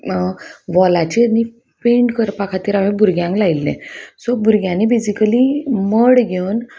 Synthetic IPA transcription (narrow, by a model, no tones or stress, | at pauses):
ʋɔlat͡ɕini | peɳʈkəɾpakʰat̪iːɾam̤ẽbʱuɾɡjãŋklailːɛ̰̃sobuɾɡjãnibesikəliməɽɡʱewn